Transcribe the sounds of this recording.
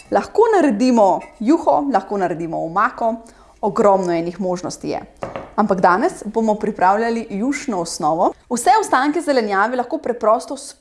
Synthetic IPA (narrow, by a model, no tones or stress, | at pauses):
laxkoːnaɾɛd̪imɔjuːxɔlɐxkoːnaɾɛd̪iːmɔumaːkɔ | ɔɡɾɔːmnɔɛːnixmoːʒnɔst̪ijɛ̰ampaɡd̪aːnɛsbomɔpɾipɾaːwlʲjʲalijuʃnɔɔsnɔːʋɔwsɛɔst̪aːŋkɛzɛlɛnjaːʋɛlɐxkoːpɾɛpɾɔːst̪ɔs